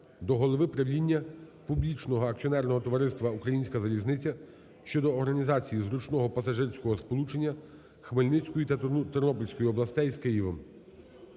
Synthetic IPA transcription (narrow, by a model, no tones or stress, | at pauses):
d̪ɔɦɔlˠɔʋɪpɾɐʋʲlʲinʲːɐpublʲit͡ʃnɔɦɔɐk̚t͡sʲiɔnɛrnɔɦɔt̪ɔʋɐɾɪst̪ʋɐukɾɐjinʲsʲkɐzɐlʲiznɪt͡sʲɐ | ʃt͡ʃɔd̪ɔːrɦɐnʲizɑt͡sʲijizɾut͡ʃnɔɦɔpɐsɐʒɪrsʲkɔɦɔspɔlˠut͡ʃe̞nʲːɐ | xmɪlʲnɪt͡sʲkɔjit̪ɐt̪ɔrnɔpɔlʲsʲkɔjiɔblˠɐst̪ɛjzkɪjiʋɔm